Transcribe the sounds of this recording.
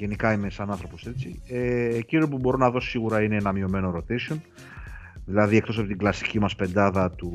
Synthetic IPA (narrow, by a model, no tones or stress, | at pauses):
ʝe̞nikɐime̞sɐnɐnθɾo̞po̞st̪ɾit͡sieciɾopubo̞ɾonɐðo̞siɣuɾɐineenɐmio̞me̞no̞ɾo̞t̪esio̞n | ðilɐðie̞k̚t̪oɐpot̪iɡlɐsi̥cimɐspe̞nd̪ɐðɐt̪u